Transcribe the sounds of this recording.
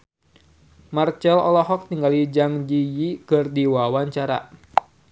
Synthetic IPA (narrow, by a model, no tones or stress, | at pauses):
mart͡ʃɛlɔ̰lɔɦɔk̚t̪iŋɡalid͡ʒaŋd͡ʒijikɨrdiwawaɲt͡ʃaɾa̰